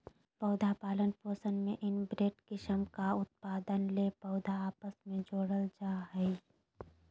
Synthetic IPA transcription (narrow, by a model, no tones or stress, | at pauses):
pɔʊd̪ʱapaːlənpoːsənmẽʔɪnbɾeːʈkɪʃəmkaʊt̪̚paːd̪ənlepɔːd̪ʱaaːpəsmẽd͡ʒoːɽəld͡ʒaːɦɛi